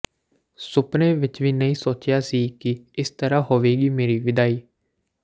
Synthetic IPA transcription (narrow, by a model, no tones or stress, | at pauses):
sʊpneːʋɪt͡ʃʋiːnəĩːsoːt͡ʃjaːsiːkɪɪst̪əɾaːɦoːʋeːɡiːmeːɾiːʋɪd̪aːiː